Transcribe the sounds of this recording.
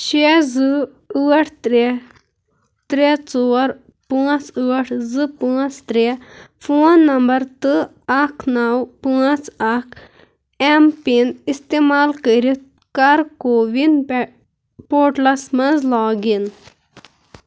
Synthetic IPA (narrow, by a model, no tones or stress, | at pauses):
ʃezɨ | uːɐʈʰt̪ɾe | t̪ɾet͡soːɾ | puɐt͡sɨʋɐʈʰzɨpɨːɐt͡st̪ɾefʰoːnːɐmbɐɾt̪ɨ | ɐkʰnɐwpɨːɐt͡sɐkʰ | empinist̪emaːlkəɾit̪ | kɐɾkoːʋin | poːʈlɐsmɐnzlaːɡin